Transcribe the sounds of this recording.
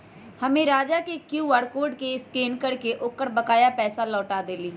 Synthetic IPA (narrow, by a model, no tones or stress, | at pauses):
həmẽɾaːd͡ʒakekjuːʋaːɾkoːɾɖkeɪskeːnkəɽkeʔʊːkːəɾbəkaːjapɛːsalɔːʈaːd̪eːliː